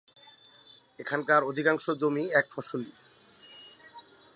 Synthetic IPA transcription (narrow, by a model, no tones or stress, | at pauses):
ekʰankaɾod̪ʱikaŋʃod͡ʑomiɛkfɔʃoli